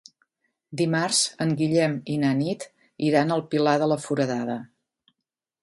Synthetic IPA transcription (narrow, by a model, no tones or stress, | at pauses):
d̪imarz̥əŋɡiʎɛminanit̪ | iɾanəlˠpilaðələfuɾəðaðə